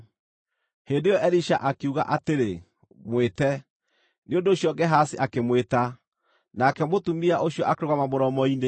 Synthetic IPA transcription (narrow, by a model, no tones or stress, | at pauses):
hendejɔʔɛɾiʃaʔakeuɣa̰ʔateɾe | mwetɛ | neondoːɕjɔɡɛɦasiʔakemweta | nakɛmotumiaʔoɕjɔʔakeɾoɣwamamoɾɔmɔine